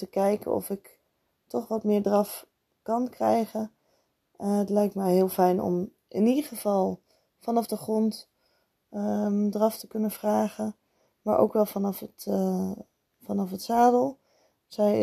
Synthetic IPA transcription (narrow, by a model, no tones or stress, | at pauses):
təkɛjkə̰ɔ̰fɪk | tɔχʋɑtmɪːɹdrɑf | kɑnkrɛjχən | ətlɛjk̚tmɛjɦɪːlˠfɛjnɔ̰m | ʔɪ̰nidəχəv̥ɑlˠ | fɑnɑfdəχrɔnt | drɑftəkɵnəv̥raːχən | maːɹʔo̰wkʋɛlˠfɑnɑfət | fɑnɑfətsaːdəlˠ | sɛj